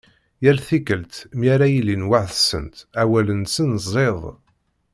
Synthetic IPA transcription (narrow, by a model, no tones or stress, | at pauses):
jælθikəlt̪mjæɾæjilinwaʕθəsə̰nt̪æwælənsənzˤeðˤ